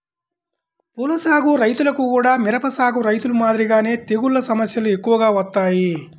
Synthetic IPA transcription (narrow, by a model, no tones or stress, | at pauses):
puːlɐsaːɡuɾɐjt̪ulɐkukuːɽaːmiɾɐpɐsaːɡuɾɐjt̪ulumaːd̪ɾiɡaːne̞ːt̪eɡuɭːɐsɐmɐsjɐlue̞kːuʋɐɡaːʋɐt̪ːaːji